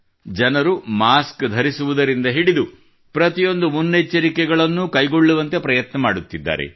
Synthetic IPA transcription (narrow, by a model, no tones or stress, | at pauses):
d͡ʒɐnɐɾumaːskd̪ʱɐɾisuʋud̪ɐɾind̪ɐɦiɽid̪u | pɾɐt̪ijo̞nd̪umunːet͡ʃːɐɾikɛɡɐɭɐnːukɐjɡo̞ɭːuʋɐnt̪e̞pɾɐjɐt̪nɐmaːɽut̪ːid̪ːa̰ːɾḛ